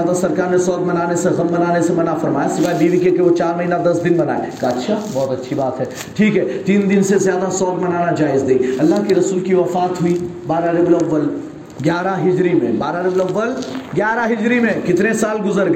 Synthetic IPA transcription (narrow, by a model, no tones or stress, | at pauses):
ad̪asɐɾkaːɾnesɔːɡ̚mɐnaːneseɣɐmbɐnaːnesemɐnafɐɾmaːjasɪʋaːbiːʋikekeʋot͡ʃaːɾmɐɦiːnad̪ɐsd̪ɪnbɐna̰ːḛkatːʃʰabɔːt̪ɐtːʃʰibaːt̪ɦɛː | ʈʰiːkɦɛːt̪iːnd̪ɪnsezjaːd̪asɔːɡ̚mɐnaːnad͡ʒaːɪzd̪eiɐlːaɦkeɾɐsuːlkiʋɐfaːt̪ɦʊibaːɾaɾɪblɐʋːəl | ɡjaːɾaɦɪd͡ʒɾimḛ̃baːɾaɾɪblɐʋːəlɡjaːɾaɦɪd͡ʒɾimẽkɪt̪nesaːlɡʊzəɾɡ